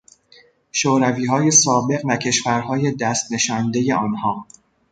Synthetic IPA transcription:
ʃoːɾæviːɦɒːje̞sɒːbe̞ɣvæcʰe̞ʃvæɾɦɒːje̞d̪æst̪ne̞ʃɒːnd̪e̞je̞ɒːnhɒː

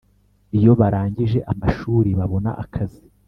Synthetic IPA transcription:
ijo̞βaɾaːɲɟiʒe̞ʔamaʃuːɾiβaβo̞na̰ʔakʰazi

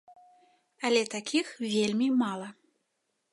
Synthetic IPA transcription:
ɐlʲɛt̪akʲixvʲelʲmʲimalˠɐ

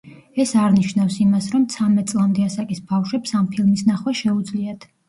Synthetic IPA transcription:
ɛsaɾniʃnafsimasɾɔmt̪sʰamɛt̪̚sʼlˠamd̪ɛasakʼisbafʃwɛpsampʰilˠmisnaχwɛʃɛud̪zliat̪ʰ

